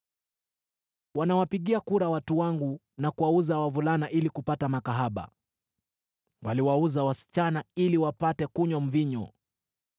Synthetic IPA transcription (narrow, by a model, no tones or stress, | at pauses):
wanawapiɠiakuɾawatuwaŋɡu | nakuwauzawavulanaʔilikupatamakaɦaɓa̰ | waliwauzawasi̥t͡ʃanailiwapatɛkuɲɔm̩viɲɔ̰